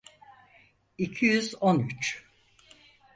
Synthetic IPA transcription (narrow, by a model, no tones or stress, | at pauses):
icʰijyzonyt͡ʃ